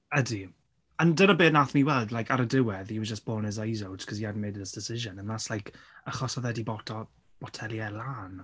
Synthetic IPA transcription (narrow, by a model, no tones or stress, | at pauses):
ədi | əndənəbeːnaθniwɛlˠdlajkʰaɾədɪwɛðiwəd͡ʒəsb̥oːnɛzajzowtkʰɔsiadn̩mejdðɪsd̥ɪsɪʒənənðaslˠajkʰ | əχɔsɔðɛdibɔtʰɔ | b̥ɔtʰɛlˠjɛlˠaːn